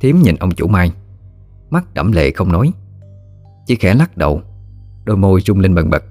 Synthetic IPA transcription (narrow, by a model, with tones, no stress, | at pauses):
t̪ʰi˨˦əmɲḭ˨˩nʔə˧wŋ͡mt͡ɕṵ˧˩maː˧j | ma˦˥t̚ɗə̰˧˩mlḛ˧˨xə˧wŋ͡mnɔ˨˦j | t͡ɕi˧˦xɛ˧˩la˦˥k̚ɗə̰˨˩w | ɗo˧jmo˧jzʊ˧ŋ͡mle˧nɓə˨˩nɓə̰˨˩t̚